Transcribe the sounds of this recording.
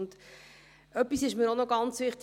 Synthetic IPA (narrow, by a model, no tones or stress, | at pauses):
nd̥̪ | œpːisɪʃməɾonoɡɑnt͡svɪχt̪